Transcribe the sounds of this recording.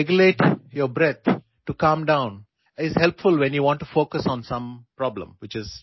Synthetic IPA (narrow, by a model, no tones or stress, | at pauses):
ɡjʊleːʈjobɾɛt̪ʰ | ʈukʌ̃mɖãʊ̃n | ɪzhɛlpfʊlʋɛ̃njuʋɔ̃ɳʈːufoːkəsɔ̃nsʌ̃mpɾɔblə̰̃mʋɪt͡ʃɪz̥